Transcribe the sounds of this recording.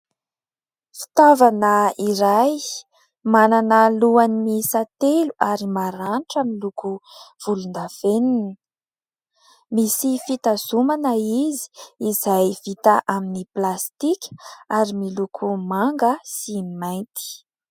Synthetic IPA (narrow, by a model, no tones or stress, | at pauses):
fi̥t̪avanəiɾaj | mananəluanimisat̪eluʔaɾimaɾanʈ͡ʂəmilukuv̥ulund̪av̥enini | misifit̪azumanəizi̥ːzajvit̪aʔaminiplast̪ikʲaɾimilukʰumaŋɡəsimajnt̪i̥